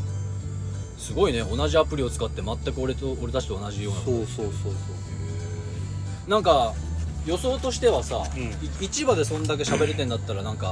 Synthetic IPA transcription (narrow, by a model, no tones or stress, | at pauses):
sɨɡo̞ine̞o̞naʑiapɯ̟ɾʲio̞t͡sɨ̥kat̪ːe̞mat̪ːakɯo̞ɾeooɾe̞t̪at͡ɕi̥t̪oːnaʑijo̞ːnaosoːsoːsoː | nãŋka | jo̞so̞ːt̪o̞ɕi̥t̪e̞βasaiit͡ɕibad̪e̞sõ̞nd̪ak̬e̞ɕabe̞ɾe̞t̪ẽ̞nd̪at̪ːaɾanãŋka